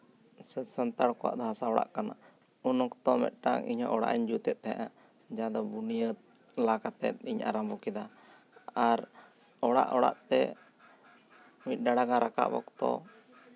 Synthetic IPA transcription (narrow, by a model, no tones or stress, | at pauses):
səsənt̪aɽkɔwa̰ʔd̪ɔɦasaɔɽa̰ʔkana̰ | unɔkt̪ɔmɛ̰t̪̚ˀʈa̰ŋḭɲɔ̰ʔɔɽa̰ʔiɲd͡ʒut̪ɛt̪̚ˀt̪ɛa̰ʔa | d͡ʒad̪ɔbunijət̪̚ | lakat̪ɛt̪̚iɲa̰ɾambɔkɛd̪a | aɾ | ɔɽa̰ʔɔɽa̰ʔt̪ɛ̰ | mit̪̚ˀɖaɽaɡaɾʔaka̰ʔbɔ̰kt̪ɔ̰